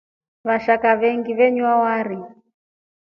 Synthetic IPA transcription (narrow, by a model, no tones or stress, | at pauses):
βaʃakaβɛŋɡiβɛɲwawaɾi